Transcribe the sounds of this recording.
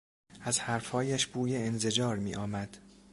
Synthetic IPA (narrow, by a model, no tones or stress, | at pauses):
ʔæzhæɾfhɒːjæʃb̥uːjeenze̞d͡ʒɒːɾmḭːʔɒːmæd̪̥